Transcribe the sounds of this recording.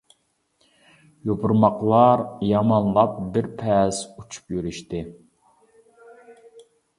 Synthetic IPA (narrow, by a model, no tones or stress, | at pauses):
jobuɾmɑqlˠɑɾjɑmɑnlˠɑp̚bɪɾpʰɛsut͡ʃʰu̥pjyɾyʃt̪ɪ